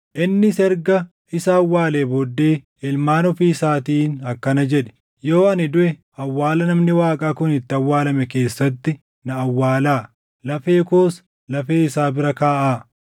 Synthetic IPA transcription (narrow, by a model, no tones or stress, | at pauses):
ʔɪnːɪsɛɾɡɐ | ɪsawːaːleːbɔd̪ːeː | ɪlmaːnɔfiːsaːt̪iːnɐkːɐnɐd͡ʒɛᶑɛ̥ | joːɐnɪd̪ʊʔɛ | ɐwːaːlɐnɐmnɪwaːkʼaːkʊnɪt̪ːɪɐwːaːlɐmɛke̞ːsːɐt̪ːɪ | nɐːwːaːlaː | lɐfe̞ːkoːs | lɐfeːɪsaːbɪɾɐkaːʔaː